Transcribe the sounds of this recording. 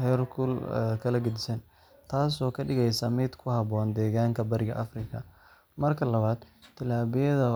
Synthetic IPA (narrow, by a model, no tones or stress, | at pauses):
hɛjrkʰulɛ̰kʰɐlɐɡɐd̪ɪsɐn | t̪ʰaːs̬ɔːkʰɐɖɪɣɛjsamɪd̪kʰʊhɐβɔːnd̪ɛːɣaːŋkʰɐbɐɾɪɣɐʔɐfrɪkʰɐ | mɐrkʰɐlɐβaːd̪̥t̪ʰːɪlaːβɪjɐðɐ